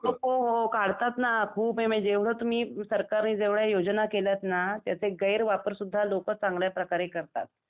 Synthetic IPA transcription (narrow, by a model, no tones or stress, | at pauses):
ɦooɦokaɽt̪at̪nakʰuːpɦẽmə̃d͡ʑeʋ̤ɭ̤ət̪um̤iːsəɾkaɾniːd͡zeʋɭjajod͡ʑnakeljat̪nat̪jat͡seɡəjɾʋapəɾsud̪ʱːalokət͡sãŋɡljapɾəkaɾekəɾt̪a̰t̪̚